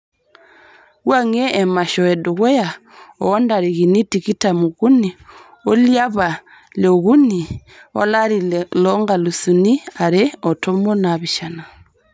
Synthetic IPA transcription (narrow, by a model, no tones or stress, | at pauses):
ɣwaŋeʔːmaʃɔɛduɣɔja | ɔ̰wɔndaɾiɣinitikitamuɣuni | oljaβa | leoɣuni | ɔ̰laɾilɔŋɡalusuniaɾeɔtomɔnaβiʃana